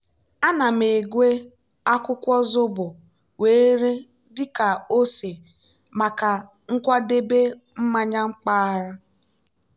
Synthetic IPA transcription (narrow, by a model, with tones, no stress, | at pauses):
a˦na˨m̩e˨ɡʷe˦ | a˦kʷʊ˦kʷɔ˦zʊ˦bʊ˨ | weː˨˦ɾe˦ | dɪ˦ka˨o˦se˨ | ma˨ka˨ | ŋ̩˦kʷa˦de˦be˦ | m̩˦ma˦ɲa˦ŋ͡m̩˦k͡pa˦ɾa˦